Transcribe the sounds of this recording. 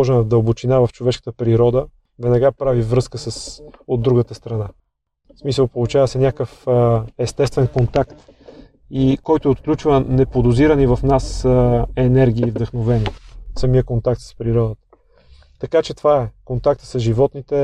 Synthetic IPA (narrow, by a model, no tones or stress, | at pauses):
ɔʒɛnəd̪əlˠbot͡ʃinavəft͡ʃovɛʃkə̥t̪əpɾiɾɔd̪ə | vɛnɐɡapɾavivɾɤskəsəsod̪ːɾuɡət̪əst̪ɾɐna | smisəlˠpolˠʊt͡ʃavəsɛnʲakəfɛst̪ɛst̪vɛnkont̪akt̪ | ikɔjt̪oot̪klʲut͡ʃvənɛpod̪oziɾənivɐfnasəɛnɛɾɡ̟ʲiːvd̪əxnovɛnisɐmiəkont̪ak̚t̪sspɾiɾɔd̪ət̪ə̥ | t̪ɐkat͡ʃɛt̪ovaɛkont̪ak̚t̪ə̥səʒivɔt̪nit̪ɛ